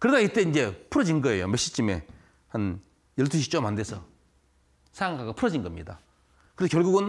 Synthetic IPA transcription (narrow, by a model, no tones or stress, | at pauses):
kɯɾedait͈eind͡ʑe̞pʰuɾʌd͡ʑinɡʌe̞jo̰meɕit͡ɕ͈imḛ | han | jʌɭtʰuɕ̬ʰit͡ɕomandesʰʌ | sʰaɾaŋkʰaɡopʰuɾʌd͡ʑinɡʌmɲida̰ | kɯɾesʌkjʌɭɡuɡɯn